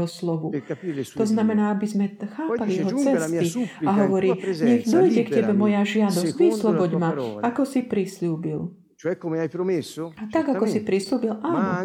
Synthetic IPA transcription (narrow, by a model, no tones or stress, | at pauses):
ɦɔslɔʋuɔznamɛnaːabizmɛxaːpaliɛɦɔt͡sɛst̪iaɦɔʋɔɾiːɲɛɣd̪ɔjɟɛktɛbɛmɔjaʒɪad̪ɔsʋislɔbɔɟmaakɔsipɾisluːbil | at̪aɡakɔsipɾisluːbilʔaːnɔ